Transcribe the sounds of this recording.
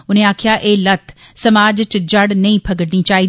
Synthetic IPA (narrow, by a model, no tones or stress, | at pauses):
ʊnẽaːkʰijaʔeːlɐt̪ʰsɐmaːd͡ʒt͡ʃd͡ʒɐɽnɐ̃ĩpʰɐɡəɽnit͡ʃaːɦiː